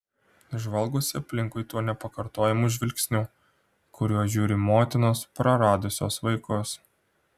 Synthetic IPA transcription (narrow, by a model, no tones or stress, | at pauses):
ʒʋɐlˠɡʊsʲɪɐpʲlʲɪŋkʊɪt̪uɔnʲɛpɐkɐɾt̪oːjɛmuʒʲʋʲɪlʲksʲnʲuː | kʊɾʲuɔʒʲuːɾʲɪmoːt̪ʲɪnoːspɾɐɾɑːd̪ʊsʲo̰ːsʋɐɪkos